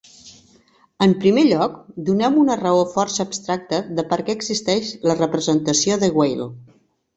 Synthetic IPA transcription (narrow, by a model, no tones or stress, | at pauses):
əmpɾimeʎɔkd̪unɛmunərəofɔrsəːbst̪ɾak̚t̪əðəpəɾkɛəɡzist̪ɛʃlərəpɾəzənt̪əsioðəɣwejl